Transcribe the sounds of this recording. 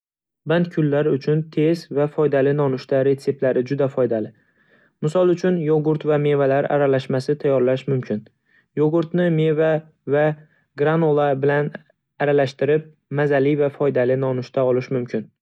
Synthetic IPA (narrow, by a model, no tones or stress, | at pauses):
bant̪kʲʰʊlːaɾʊt͡ʃʰʊnt̪ʰe̞zvafɒjd̪alɪnɒnʊʃt̪aɾe̞t̪se̞p̚t̪laɾɪd͡ʒʊd̪afɒjd̪alɪ | mɪsɒlˠʊt͡ʃʰʊnjoɡʊɾt̪vame̞valaɾa̰ɾalaʃmasɪt̪ʰajːɒɾlaʃmʊmkʲʰɪn | joɡʊɾt̪nɪme̞va | va | ɡɾanolˠabɪlan | aɾalaʃt̪ɪɾɪp̚ | mazalɪvafɒjd̪alɪnɒnʊʃt̪ʰaɒlɪʃmʊmkʲʰɪn